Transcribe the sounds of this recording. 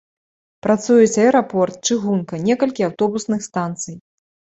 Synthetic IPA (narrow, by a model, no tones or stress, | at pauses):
pɾat̪sujɛt͡sʲɐɛjɾapɔrt̪̚t͡ʂɨɣunkɐnʲɛkɐlʲkʲiawt̪ɔbusnɨxst̪ant̪sɨj